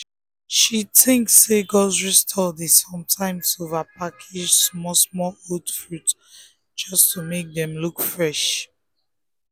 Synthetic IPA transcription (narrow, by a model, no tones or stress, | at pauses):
ʃiθɪ̃ŋksːeɡɔzɹistʰɔdisɔ̃mtʰãɪ̃msovapʰakʰid͡ʒsmɔsmɔlodfɹut | d͡ʒʌstʰumek̚ðɛ̃mlukfɹɛʃ